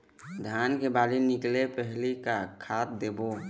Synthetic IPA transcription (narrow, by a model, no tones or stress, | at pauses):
d̪ʱankebaːlinɪklepəɦlikakʰaːt̪̚d̪eːbo